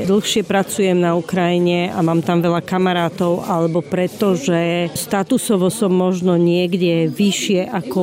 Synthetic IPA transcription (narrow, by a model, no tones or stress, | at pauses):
d̪l̩xʃɪɛpɾat͡sujɛmnaukɾajiɲɛamaːmt̪amʋɛʎakamaɾaːt̪ɔʊʔalɛbɔpɾɛt̪ɔʒɛst̪at̪usɔʋɔsɔmːɔʒnɔɲɪɛɡɟɛʋiʃɪɛʔakɔ